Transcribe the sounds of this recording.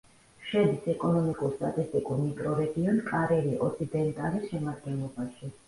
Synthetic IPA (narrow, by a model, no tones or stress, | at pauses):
ʃɛd̪isɛkʼɔnɔmikʼuɾst̪ʼat̪ʼist̪ʼikʼuɾmikʼɾɔɾɛɡiɔnkʼaɾɛɾiʔɔt̪sʰid̪ɛnt̪ʼaɾisʃɛmad̪ɡɛnlˠɔbaʃi